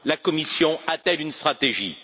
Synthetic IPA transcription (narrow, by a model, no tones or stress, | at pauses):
lakɔmisjɔ̃at̪ɛlynst̪χat̪eʒḭ